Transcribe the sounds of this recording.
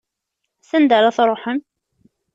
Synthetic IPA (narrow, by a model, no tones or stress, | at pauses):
sənd̪əɾˤaθɾˤoħəm